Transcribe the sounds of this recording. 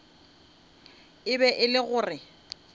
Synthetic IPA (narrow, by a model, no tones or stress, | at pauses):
ɪbɛʔɪlɪɣʊːrɪ